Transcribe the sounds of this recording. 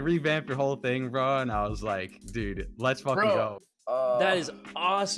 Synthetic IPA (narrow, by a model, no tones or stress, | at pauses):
ɹibæ̃mp̚ðəɦoʊlˠθɪ̃ŋɹʌ̃naɪwʌzlaɪkd̥ʉd̥̚lətsfʌkɡoʊ | ðɨɾɨzɔs